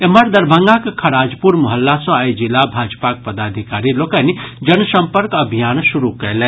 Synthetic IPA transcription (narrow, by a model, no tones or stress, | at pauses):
eməɾd̪əɾbʱəŋɡakkʰɐɽad͡ʒpuɾmɔɦəlːasɔ̃ajd͡ʒilːabʱad͡ʒpak̚pəd̪ad̪ʱikaɾilokənid͡ʒənsəmpəɾkəbʱijansuɾukəlɛ